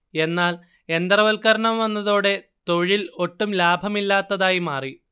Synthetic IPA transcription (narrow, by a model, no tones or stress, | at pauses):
e̞nːaːl | e̞nd̪rɐʋɐlkɐɾɐɳɐmʋɐnːɐðoːɽe̞ | t̪o̞ɻilo̞ʈːumlaːbʱɐmilːaːt̪ːɐðaːjimaːri